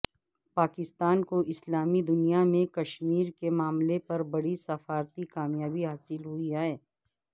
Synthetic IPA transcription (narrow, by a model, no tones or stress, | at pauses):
paːkɪst̪aːnkoʔɪslaːmid̪ʊnijamẽkɐʃmiːɾkemaːmlepɐɾbɐɽisɐfaːɾt̪ikaːmjaːbiɦaːsɪlɦʊiaːeː